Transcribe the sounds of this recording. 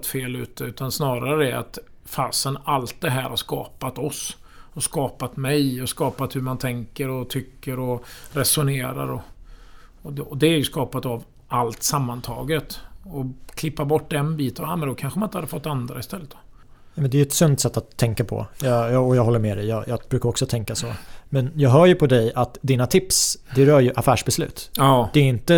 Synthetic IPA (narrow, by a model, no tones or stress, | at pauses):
t̪feːlʉ̟̰ːt̪əʉ̟ːt̪ansnɑːɾaɾəd̪ɛa̰t̪ | faːsənalt̪̚d̪ɛɦæːɾhaɾʂkɑːpat̪ɔsɔskɑːpat̪mɛjɔskɑːpat̪hɵmant̪ʰɛŋkəɾɔt̪ʰʏkːəɾɔɾɛsʊneːɾa̰ɾɔ | ɔd̪ɔd̪ɛæɾjɵskɑːpat̪av | ʔalt̪samːant̪ʰɑ̰ːɡət̪ɔkʰlɪpːabɔʈːd̪ɛnbiːt̪ənɛmɛnd̪ɔkʰanɧəmanɪnt̪had̪ːəfɔt̪ːand̪ɾaɪst̪ɛlːət̪d̪ɔ̥ | numɛnd̪ɛjʉɛt̪sɵnt̪sɛt̪ːat̪ʰːɛŋkapʰɔ̰jɑjɑːɔjɑːɡɦɔlːəɾmɛd̪ɛjɑːjɑːbɾʉːkaɾɔksɔt̪ʰɛŋkasɔ̰mɛnjɑːɡɦœːɾjɵpʰɔd̪ɛjat̪d̪iːnat̪ʰɪpsd̪ɛɾœːɾjɵʔafæːʂbɛslʉ̟ːt̪ːd̪ɛːɪnt̪ə